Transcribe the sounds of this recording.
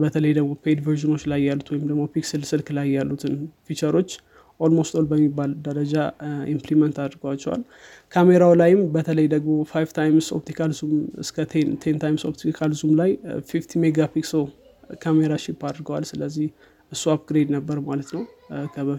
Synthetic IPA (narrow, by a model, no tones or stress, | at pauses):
bət̪ʰələjd̪əɡmo̞pʰed̪vəɾʒino̞t͡ʃːlajːalːut̪ʰwɔjɪmd̪əɡmo̞piksɨlsɨlklajːalːut̪ʰɨnfit͡ʃəɾo̞t͡ʃː | ʔo̞lmo̞st̪olbəmːibːald̪əɾəd͡ʒaʔimplimənt̪ad̪ɾɡəwat͡ʃːɛ̰wa̰l | kʰame̞ɾawlajɪmbət̪ʰələjd̪əɡmo̞fajvt̪ʰajmso̞̰p̚t̪ʰikʰalzumɨskʰət̪ʰent̪ʰent̪ʰajmso̞̰pt̪ʰikʰalzumlajfift̪ʰimeɡapikso | kʰame̞ɾaʃipːad̪ɾɡəwa̰lsɨləzːih | ʔɨsːuap̚ɡɾed̪nəbːəɾmalət̪nəwkʰəβə